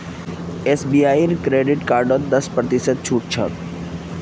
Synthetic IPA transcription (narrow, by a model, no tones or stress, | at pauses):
eːsbiaːiɾkɾeːɖɪʈkaːɾɖotd̪ɐspɾət̪isət̪̚t͡ʃʰuːʈ̚t͡ʃʰə̰